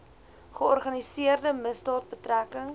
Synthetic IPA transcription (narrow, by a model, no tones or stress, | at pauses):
χəɔrχɐnisiərdəməsdɑːt̚bətrækəŋ